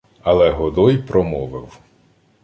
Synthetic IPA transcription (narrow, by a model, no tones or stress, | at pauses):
ɐlˠɛɦɔd̪ɔjpɾɔmɔʋɪw